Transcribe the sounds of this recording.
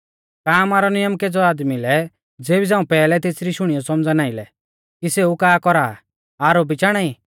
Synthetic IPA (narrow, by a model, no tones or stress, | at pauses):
kaːmaːɾɔnɪjəmked͡zɔaːd̪milɛ | d͡zeːbid͡zãːũpɛːlɛt̪eːsɾiʃʊɽ̃ijɔsɔmd͡zanaːɪlɛ | kiseukaːkɔɾaː | aːɾobit͡ʃaːɽ̃ai